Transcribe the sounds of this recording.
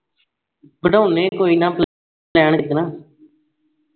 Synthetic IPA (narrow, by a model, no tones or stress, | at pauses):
bəɖaːʊnẽːkoːiːnãːpl | lɛːɳɪk̪naː